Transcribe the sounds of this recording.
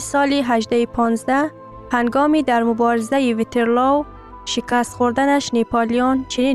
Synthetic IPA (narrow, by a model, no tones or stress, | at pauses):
sɒliɦaʒd̪aipʰɔnzd̪a | haŋɡɔmid̪aɾmubɔɾizajivit̪ʰeɾlɔw | ʃikʰast̪χoɾd̪anaʃnepʰɑlijɔnt͡ʃʰini